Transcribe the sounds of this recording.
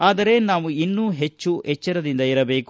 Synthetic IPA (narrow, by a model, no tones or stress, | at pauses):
aːd̪ɐɾe̞naːʋuinːuːɦet͡ʃːuet͡ʃːɐɾɐd̪ind̪ɐiɾɐbe̞ːku